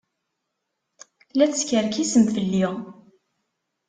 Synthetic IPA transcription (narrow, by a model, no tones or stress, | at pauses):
læθəskəɾkisəmfəlːɪʁ